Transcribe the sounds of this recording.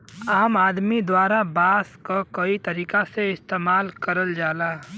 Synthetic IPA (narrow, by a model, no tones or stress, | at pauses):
aːmaːd̪mid̪waːɾabaːskakəit̪əɾiːkaseɪst̪eːmaːlkəɾəld͡ʒaːla